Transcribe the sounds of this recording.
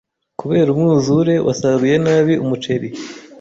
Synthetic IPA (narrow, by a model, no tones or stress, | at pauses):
kuβe̞ːɾumŋuːzuɾe̞wʔa̰saɾuje̞naːβiumut͡ʃe̞ɾi